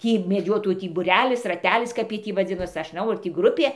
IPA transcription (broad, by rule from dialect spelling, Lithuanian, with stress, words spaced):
ˈtʲiː mʲɛˈd͡ʒʲoːtoːjuː tʲiː bʊˈrʲæːlʲɪs rɐˈtʲæːlʲɪs ˈkɐp jiɛj ˈtʲiː ʋɐˈd͡zʲɪnoːs ˈɐʃ nˈʒnɐʊ ɐr tʲiː ˈɡrʊpʲeː